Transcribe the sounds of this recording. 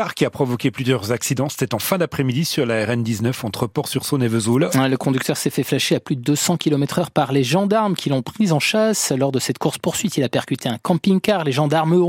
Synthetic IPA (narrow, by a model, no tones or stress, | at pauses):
aʁkʲiapχɔvɔkʲeplyzjœʁzaksid̪ɑ̃se̥t̪ɛt̪ɑ̃fɛ̃d̪apχɛmid̪isyʁlaɛʁɛnd̪iznœfɑ̃t̪χəpɔʁsyʁsonevøzulləkɔ̃d̪yk̚t̪œʁsɛfɛflaʃeaplyd̪əd̪øsɑ̃kʲilɔmɛt̪χœʁpaʁleʒɑ̃d̪aʁmkʲʰilɔ̃pχizɑ̃ʃaslɔʁd̪əsɛt̪kuʁspuʁsɥit̪ilapɛʁkʲyt̪ʰeɛ̃kɑ̃piŋkaʁleʒɑ̃d̪aʁm